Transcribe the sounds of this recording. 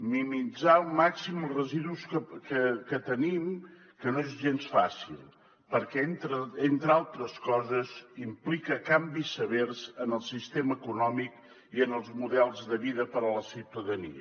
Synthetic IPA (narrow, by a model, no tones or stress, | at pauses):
mimid͡zalˠmaksiməlˠzrəziðuskəkəkət̪ənim | kənoezʒensfasilˠ | pəɾkɛnt̪ɾəent̪ɾalˠt̪ɾəskɔzəzimplikəkambisəβeɾzənəlˠsist̪eməːkunɔmik | iənəlˠzmuðɛlˠzðəβiðəpəɾələsiwt̪əðənḭə̰